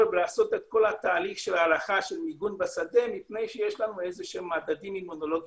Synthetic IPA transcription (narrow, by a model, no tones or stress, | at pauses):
vlaːso̞t̪et̪ko̞lhat̪aːliχʃelaːlaχaʃelmiɡunbasad̪e̞mipne̞jʃejeʃlanuezeʃemːad̪ad̪imimuno̞lo̞ɡ